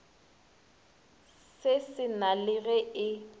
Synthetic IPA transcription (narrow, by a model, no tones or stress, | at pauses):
sɪsɪnalɪɣɛɪ